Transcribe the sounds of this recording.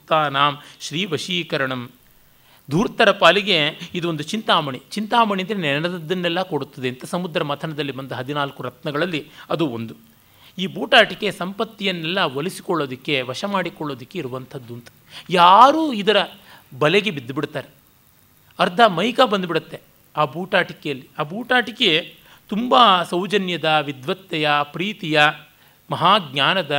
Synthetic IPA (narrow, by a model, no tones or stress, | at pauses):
t̪aːnaːmʃɾiːʋɐʃiːkɐɾɐɳɐm | d̪ʱuːɾt̪ːɐɾɐpaːliɡe̞id̪uond̪ut͡ʃint̪aːmɐɳit͡ʃint̪aːmɐɳiɐnd̪ɐɾenɛnɐd̪ɐd̪ːɐnːɛlːɐkoɽut̪ːɐd̪eɐnt̪ɐsɐmud̪ɾɐmɐt̪ʰɐnɐd̪ɐlːibɐnd̪ɐɦɐd̪inaːlkuɾɐt̪nɐɡɐɭɐlːiɐd̪uond̪u | iːbuːʈaːʈike̞sɐmpɐt̪ːijɐnːɛlːɐʋɐlisi̥kɔɭːoːd̪ikːe̞ʋɐʂɐmaːɽikɔɭːo̞ːd̪ikːeiɾuʋɐnt̪ʰɐd̪ːunt̪ɐ̥ | jaːɾuːid̪ɐɾɐbɐlɛɡebid̪ːbiɽt̪aːɾe | ɐɾd̪ʱɐmɐjkabɐnd̪ubiɽut̪ːe̞ | aːbuːʈaːʈikejɐlːiaːbuːʈaːʈike | t̪umbaːsɐwd͡ʒɐnjɐd̪ɐʋid̪ʋɐt̪ːɛjɐpɾiːt̪ijɐ | mɐɦaːɡɲaːnɐd̪ɐ